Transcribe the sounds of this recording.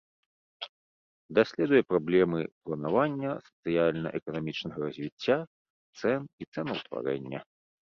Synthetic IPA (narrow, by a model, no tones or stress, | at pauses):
d̪asʲlʲɛd̪ujɛpɾablʲɛmɨplˠɐnavanʲːɐsɐ̥t̪sɨjalʲnɐ̰ʔɛkɐnamʲit͡ʂnɐɣɐɾɐzʲvʲit͡sʲːa | t̪sɛnit̪sɛnuwt̪va̰ɾɛ̰nʲːɐ̰